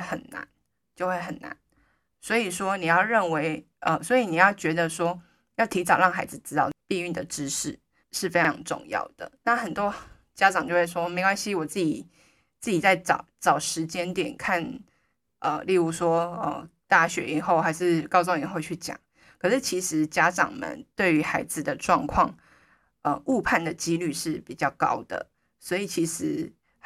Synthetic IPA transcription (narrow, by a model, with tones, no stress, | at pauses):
xə˨˩nnːa̰˧˦n | t͡ɕjo˥˧ʊxwe˥˩ɪxə˨˩nːa̰˧˦n | swɔ˧˥i˨˩ʂwɔ˥ni˨˩jɑ˥ʊɻə˥˩nwe˧˥ɪ | ʔə˨swɔ˧˥i˨ni˨˩jɑ˥˩ʊt͡ɕɥɛ˧˥d̪ə˧ʂwɔ˥ | jɑ˥˩ʊt̪ʰi˧˥t͡sɑ˨˩ʊɻɑ˥˩ŋxa˧˥ɪd͡zɹ̩˨˩ʈ͡ʂɻ̩˥t̪ɑ˥˩ʊpi˥˧y˥˩nd̪ə˩ʈ͡ʂɻ̩˥ʂɻ̩˥˩ | ʂɻ̩˥˩fe˥˩ɑ̰˧ŋʈ͡ʂʊ̰˥˧ŋjɑ̰˥˩ʊd̪̥ə̰˩na˥˩xə˨˩nt̪wɔ˥ | t͡ɕja˥ʈ͡ʂɑ˨˩ŋt͡ɕo˥˧we˥˩ʂwɔ˥me˧˥ɪkwa˥nɕi˥wɔ˨˩t͡s̩˥˩t͡ɕi˨˩ | t͡sɹ̩˥˩t͡ɕi˨˩t͡sa˥˩ɪt͡sɑ˨˩˦ʊt͡sɑ˨˩ʊʂɻ̩˧˥t͡ɕjɛ˥nt̪jɛ˨˩nkʰa˥˩n | ʔə˨˩li˥˧ɻu˧˥˩ʂwɔ˥ə̰˨˩t̪a˥˩ɕɥɛ˧˥i˨˩xo˥˩ʊxa˧˥ɪʂɻ̩˥˧kɑ˥˧ʊs̬ŋi˨˩xo˥˧ʊt͡ɕʰy˥˩t͡ɕjɑ̰˨˩˦ŋ | kʰə˨˩ʂɻ̩˥˩t͡ɕʰi˧˥ʂɻ̩˧˥t͡ɕja˥ʈ͡ʂɑ̰˨˩ŋmə̰˨˦nt̪we˥˩ɪy˧˥xa˧˥ɪd͡z̩˨d̪ə˨ʈ͡ʂwɑ˥˧ŋkʰwɑ˥˩ŋ | ə˧u˥˧pʰa˥˩nd̪ə˩t͡ɕi˥ly˥˧ʂɻ̩˥˩pi˨˩t͡ɕjɑ˥˩ʊkɑ̰˥ʊd̪̥ə̰˩ | swɔ˧˥i˨˩t͡ɕʰi˧˥ʂɻ̩˧˥